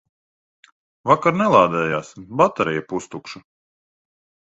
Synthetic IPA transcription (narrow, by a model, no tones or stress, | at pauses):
vakaɾnɛlˠaːd̪ɛːjaːsbat̪aɾijapust̪ukʃu